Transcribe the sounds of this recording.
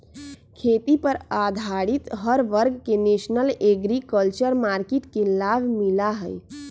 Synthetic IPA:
kʰeːt̪ipəɾad̪ʱaɽit̪ɦəɾʋəɾɡkeneːʃnəleɡɾikəlt͡ʃəɾmaːɾkeʈkelaːbʱmilaɦəj

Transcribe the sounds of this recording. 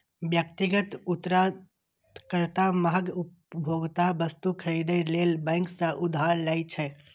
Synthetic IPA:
bjəkt̪iɡət̪ut̪ːɾa | kəɾt̪aməɦəɡup | bʱoɡt̪abəst̪ukʰəɾid̪elelbə̃ɪŋksə̃ʔud̪ʱɦaɾlaɪt͡ʃʰɛ

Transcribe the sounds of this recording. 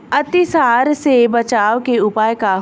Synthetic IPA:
ɐt̪isaːɾsebɐt͡ʃaːʋkeʊpaːjka

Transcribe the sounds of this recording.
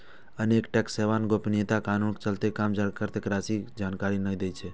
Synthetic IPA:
əneːkʈɛkseʋaːnɡopnet̪akaːnuːnkt͡ʃəlt̪ekaːmd͡ʒaɾkəɾt̪ekɾaːsid͡ʒaːnkaːɾinəid̪et͡ʃʰe

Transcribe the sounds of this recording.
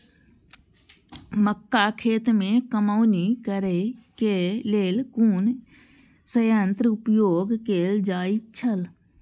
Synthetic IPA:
məkːakʰeːt̪mẽkəmaʊnikəɾekeleːlkuːn | səjãːnt̪ɾʊpjoːɡkeːld͡ʒaːit͡ʃʰəl

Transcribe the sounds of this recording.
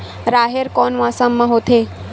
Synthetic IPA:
ɾaɦeɾkɔnʋãsamːãɦot̪ʰe

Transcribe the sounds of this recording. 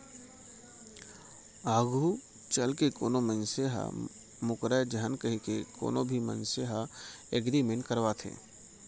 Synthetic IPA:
aːɡʱu | t͡ʃəlkekoːnomənseɦa̰ | mʊkɾəd͡ʒəɦənkəɦikeko̰ːnobʱimə̰̃nseɦa | eːɡd̪imẽnkəɾʋat̪ʰḛ̃ː

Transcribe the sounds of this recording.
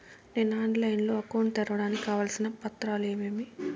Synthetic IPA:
ne̞ːnaːɳɖlɐjnlo̞ːɐkowɳɖt̪ɐɾɐʋɐɽaːnikʲikaːʋaːlsinɐpɐt̪ːɾaːleːmeːmi

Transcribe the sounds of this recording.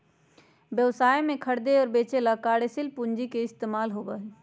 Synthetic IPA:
bjəʋsaːjmẽkʰəɽd̪eɔːɾbeːt͡ʃelakaːɽesɪlpuɲd͡ʒikeɪst̪eːmaːlɦoːba

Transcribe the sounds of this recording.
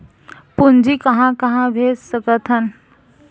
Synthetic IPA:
pund͡ʒikɐɦãkɐɦãbʱeːssəpət̪ʰən

